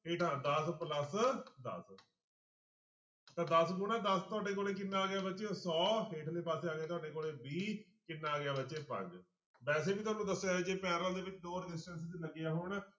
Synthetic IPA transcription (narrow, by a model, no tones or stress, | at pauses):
ɦeːʈʰãːd̪əspləsd̪ə̰s | t̪ãːd̪əsɡʊnaːd̪əst̪ʊaːɖeːk̬oːleːk̬ɪnːaːɡɪjaːbətːʃesɔːɦeːʈʰleːpaːseːaːɡeːt̪ʊwaːɖeːkoːleːbiː | kɪnːaːaːɡjaːbətːʃeːpə̰̃ɲd͡ʒ | bɛːseːbiːt̪ʊaːnũːd̪əsːjaːɛd͡ʒeːpɛːɾəld̪eːʋɪt͡ʃɖoːɾɖɪsʈənsd̪iːləɡɪjaːɦʊɳ